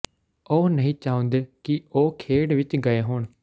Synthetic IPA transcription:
oːnəɦĩːt͡ʃaːõːnd̪eːkɪoːkʰeːɽʋɪt͡ʃɡəeːɦoːɳ

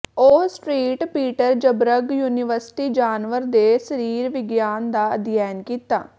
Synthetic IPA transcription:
osʈɾiːʈpiːʈəɾd͡ʒəbɾəɡjuːnɪʋəɾsɪ̥ʈiːd͡ʒaːnʋəɾd̪eːsəɾiːɾʋɪɡjaːnd̪aːəd̪jɛːnkiːt̪a̰ː

